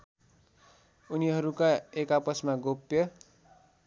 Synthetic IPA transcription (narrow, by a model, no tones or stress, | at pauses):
uniɦʌɾukaekapʌsmaɡopjʌ